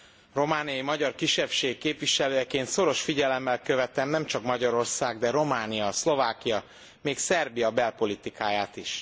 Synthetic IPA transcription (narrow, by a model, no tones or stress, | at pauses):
ro̞maːnijɒjimɒɟɒrkiʃːɛpʃeːkːeːpʋiʃɛløːjɛkeːnt̪so̞ɾo̞ʃfiɟɛlɛmːɛlkøvɛt̪ɛmnɛmt͡ʃɒkmɒɟɒɾo̞rsaːɡd̪ɛɾo̞maːnijɒslo̞vaːkijɒ | meːksɛrbijɒbɛlpo̞lit̪ikaːjaːt̪iʃ